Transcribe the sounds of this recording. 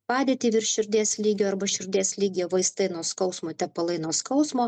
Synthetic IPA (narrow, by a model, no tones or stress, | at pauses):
pɑːd̪ʲeːt̪ʲiːʋʲɪɾʃʲʊɾʲd̪ʲeːslʲiːɡʲoːɐɾbɐʃʲʊɾʲd̪ʲeːslʲiːɡʲjoːʋɐɪst̪ɐɪnoːskɐʊsmoːt̪ʲɛpɐlˠɐɪnoːskɐʊsmoː